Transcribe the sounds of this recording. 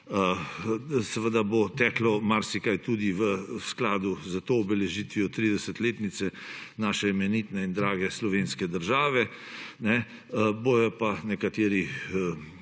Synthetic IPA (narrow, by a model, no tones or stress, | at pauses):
ə | sɛʋəd̪abot̪ɛːklɔmaɾsikajt̪uːd̪iʋəsklaːd̪uzət̪oːbɛlɛʒiːt̪ʋijɔt̪ɾiːd̪ɛsət̪leːt̪nit̪sɛnaːʃɛmɛnit̪nɛind̪ɾaːɡɛslɔʋeːnskɛd̪əɾʒaːʋɛ | nɛ | boːjɔpanɛkat̪eːɾiə